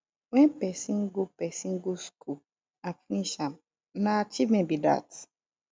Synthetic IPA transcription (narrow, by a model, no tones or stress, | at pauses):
wɛ̃npɛsĩnɡopɛsĩŋɡoskʰul | ãfiniʃãm | naat͡ʃivmɛ̃nbida̰t